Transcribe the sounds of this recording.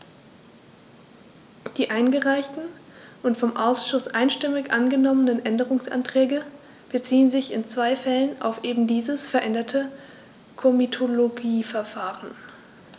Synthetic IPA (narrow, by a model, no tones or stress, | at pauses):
d̥iːʔaɪnɡəʁaɪçtn̩ | ʔʊntfɔmʔaʊsʃʊsʔaɪnʃtɪmɪçʔanɡənɔmənənʔɛndəʁʊŋsʔa̰ntʁ̥ɛːɡə | b̥ət͡siːənzɪçɪnt͡sv̥aɪfɛləna̰ʊfʔeːbm̩diːzəsfɛɐʔɛndɐtʰə | kʰomitʰoloɡiːfɛɐfaːʁən